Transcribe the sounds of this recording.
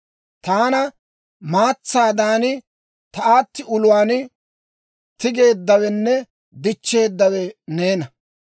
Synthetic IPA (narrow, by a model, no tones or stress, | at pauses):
t̪aːnɐ | maːt͡sːaːd̪aːnɪ | t̪ɐaːt̪ːɪʊlʊwaːn | t̪ɪɡe̞ːd̪ːɐwɛnːɛ | d̪ɪt͡ʃːe̞ːd̪ːɐwɛneːnɐ